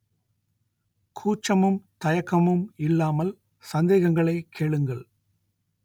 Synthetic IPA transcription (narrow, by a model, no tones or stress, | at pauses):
kʰuːt͡ʃːɐmɯmt̪ɐjɐkːɐmɯmɪlːaːmɐl | sɐnd̪eːɣɐŋɡɐɭɐɪkʰːeːɭɯŋɡɐɭ